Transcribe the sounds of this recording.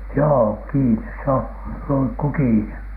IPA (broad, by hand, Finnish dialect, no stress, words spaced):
joː kiːnes se on luŋkːu kiːne